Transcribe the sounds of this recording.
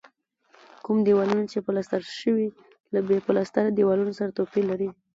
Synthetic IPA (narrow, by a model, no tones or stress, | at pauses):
kumd̪iwɑlunat͡ʃepəlast̪aɾʃəwi | labepəlast̪aɾad̪iwalunosaɾat̪opilaɾi